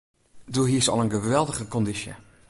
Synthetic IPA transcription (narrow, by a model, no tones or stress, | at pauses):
duɦisɑ̰lˠənɡəʋɛlˠdəɣəkɔndisjə̰